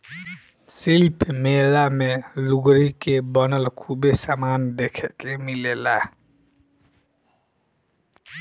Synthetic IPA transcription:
silpʰmelameluɡɾikebʌnʌlkʰubesamand̪ekʰekemilela

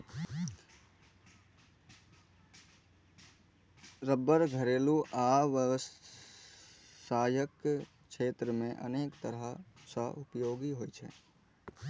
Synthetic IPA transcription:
ɾəbːəɾɡʱəɾeːluʔaʋəʋs | saːjək | t͡ʃʰeːt̪ɾəmẽʔə̰neːkt̪əɾɦasəʔʊpjoːɡiɦojt͡ʃʰɛ̰

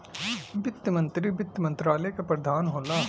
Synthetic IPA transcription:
bɪt̪ːmɐ̃nt̪ɾibɪt̪ːmɐ̃nt̪ɾaːlekapɾɐd̪ʱaːnɦoːlaː

